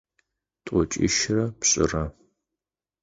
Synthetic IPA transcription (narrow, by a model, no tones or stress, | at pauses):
tʼɔt͡ʃʼɪ̰ʃrɐpɕʼɪ̰rɐ